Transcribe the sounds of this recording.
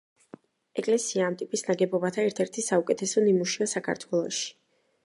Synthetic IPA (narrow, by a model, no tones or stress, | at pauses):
ɛkʼlɛsiaːmt̪ʼipʼisnaɡɛbɔbat̪ʰaɛɾt̪ʰɛɾt̪ʰisaukʼɛt̪ʰɛsɔnimuʃiasakʰa̰ɾt̪ʰwɛlˠɔʃi̥